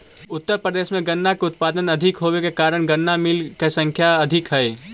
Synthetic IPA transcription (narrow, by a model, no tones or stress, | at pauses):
ʊt̪ːəɾpɾəd̪esmeɡənːakeut̪̚pad̪ənəd̪ʱikɦobekekaɾəɽ̃ɡənːamilkesə̃ŋkʰjaəd̪ʱikɦəj